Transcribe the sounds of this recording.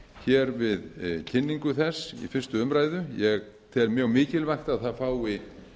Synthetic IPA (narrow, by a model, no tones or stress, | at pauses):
çɛɾvɪðcʰɪnːiŋkʏθɛsḭfɪn̥st̪ʏʏmɾaːjðʏjɛɣ | θɛɾmjœɣmɪːcɪlvajxt̪aðθaðfaːwɪ